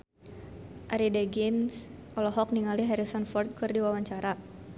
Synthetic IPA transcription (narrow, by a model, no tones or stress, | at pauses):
ʔaɾideɡinsʔɔlɔɦɔk̚niŋaliɦɛɾisɔnfɔrt̪̚kɨrdiwawaɲt͡ʃaɾa